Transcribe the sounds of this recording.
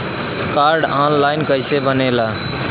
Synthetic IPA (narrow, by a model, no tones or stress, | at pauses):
kaɾɖanlajnkəjsebənela